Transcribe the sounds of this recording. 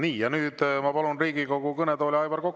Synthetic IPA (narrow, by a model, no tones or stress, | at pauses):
niːjɑnyːd̪mɑpɑlunriːɡiko̞ɡukɤnet̪o̞ːlʲiɑjvɑrko̞kː